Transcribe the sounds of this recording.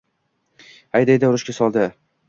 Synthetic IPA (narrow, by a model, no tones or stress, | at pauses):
ajd̪ejd̪aʊɾʊʃkʲasɒlˠd̪ɪ